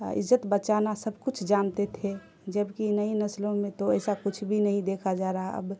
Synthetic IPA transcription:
ɪ̰zət̪bət͡ʃanasəbʱkʊt͡ʃʰd͡ʒaːnt̪et̪ʰe | d͡ʒəbkinəinəslõmẽt̪oɛːsakʊt͡ʃʰbʱinəɦĩd̪ekʰad͡ʒaɾaɦaə̰b

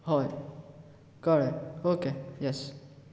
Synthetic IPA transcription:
hɔɪ | kɔɹɛktokejɛs

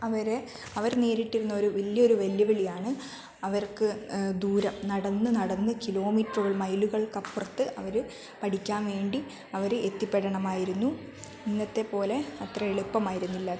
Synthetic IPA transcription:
ɐʋɐɾe | ɐʋɐɾneːɾiʈːiɾunːɐo̞ɾuʋiljɐoɾuʋeljɐʋiɭijaːɳɨ | ɐʋɐrkɨd̪uːɾɐmnɐɽɐnːɨnɐɽɐnːɨkilo̞ːmiːʈruɣɐɭmɐjluɣɐɭkɐpːrɐt̪ːɨʔɐʋɐɾ | pɐʈʰikʲːaːnʋe̞ːɳɖi | ɐʋɐɾɨet̪ːipːeɽɐɳɐmaːjiɾunːu | ninːɐt̪ːe̞po̞ːle̞ɐt̪rɐeɭipːɐmaːjiɾunːilːɐ

